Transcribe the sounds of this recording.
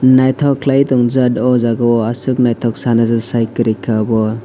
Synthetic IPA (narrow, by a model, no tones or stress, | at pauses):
najtʰɔkʰlajtɔŋzadɔzaɡɔasɯk̚najtʰɔk̚sanazɯsajkɯɾikʰabɔ